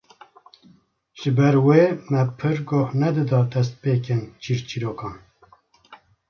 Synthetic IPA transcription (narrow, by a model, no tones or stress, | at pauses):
ʒ̥ɨbɛɾweːmɛpʰɨɾɡohnɛd̪ɨd̪ɑːd̪ɛs̬t̪̚peːkɨnt͡ʃʰiːɾt͡ʃʰiɾoːkɑːn